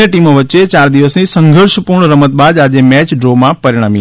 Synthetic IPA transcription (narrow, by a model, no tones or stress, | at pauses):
eʈimoʋətːt͡ʃet͡ʃaɾd̪iʋəsnisəŋɡʱəɾʃəpuɾɳəɾəmət̪̚bad̪ad͡ʒemɛt͡ʃɖɾomãpəɾiɽ̃ami